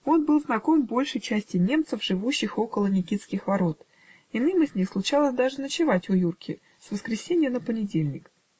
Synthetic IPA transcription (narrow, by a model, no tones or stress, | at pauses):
o̞nbɨlˠznɐko̞mbo̞lʲʂəjt͡ɕæsʲtʲɪnʲe̞mt̪səfʐɨvuɕːɪxo̞kəlˠənʲɪkʲit̪skʲɪxvɐɾo̞t̪ | ɪnɨmɨzʲnʲixslˠʊt͡ɕalˠəsʲd̪aʐɨnət͡ɕɪvatʲʊjurkʲʰɪ | svəskɾʲɪsʲenʲɪjənəpənʲɪdʲelʲnʲɪk